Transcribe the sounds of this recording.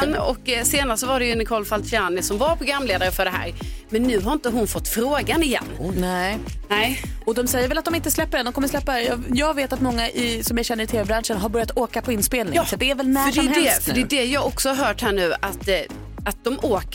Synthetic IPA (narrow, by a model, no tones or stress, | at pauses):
nːɔ̰kːseːnaɾsɔvaɖɛjɵnɪkʰɔlfalt̪sɪanːɪsɔmvaɾpʰɔɡamːleːd̪aɾəfœɖɛɦæ̰ːɾmɛnːʉ̟ːɦaɾɪnt̪əɦʊnfɔt̪ːfɾoːɡanɪjɛ̰nːnɛnɛ | ɔd̪ɔmsɛjːəɾvɛlat̪d̪ɔmɪnt̪əslɛpːəɖɛnd̪ɔmkɔmːəɾʂlɛpːajɑjɑːɡveːt̪at̪mɔŋːaʔɪsɔmjaɕɛnːəɾɪt̪ʰeːvɛbɾanʂənɦaɾbœɾjat̪ʰoːkapʰɔɪnspeːlnɪsɔt̪̚d̪ɛæɾvɛlnæɾʂɔɛmhɛlɛsfɖɛdɛjɑːɡɔksɔhaɾɦœːʈhæːɳʉ̟ːat̪ | at̪̚d̪ɔmoːk